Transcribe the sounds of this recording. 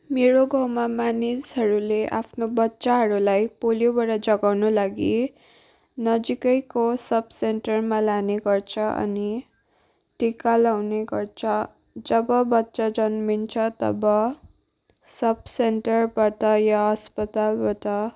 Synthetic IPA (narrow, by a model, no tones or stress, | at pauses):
meɾoɡʱʌwmamanisɦʌɾuleʔa̰pʰnobʌtːsaɦʌɾulajpolijobaɽʌd͡zʌɡawnolaɡi | nʌd͡zikʌjkosʌbseɳʈʌrmalaneɡʌrt͡sʰʌʔʌ̰ni | ʈikalawneɡʌrt͡sʰʌ | d͡zʌbʌbʌtːsad͡zʌnmint͡sʰʌt̪ʌ̰bʌ | sʌbseɳʈʌrbaʈʌjaɦʌspʌt̪albaʈʌ